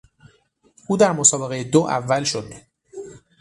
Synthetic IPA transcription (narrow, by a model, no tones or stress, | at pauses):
ʔuːd̪æɾmosɒːbe̞ɣejed̪oʔævːælʃo̞d̪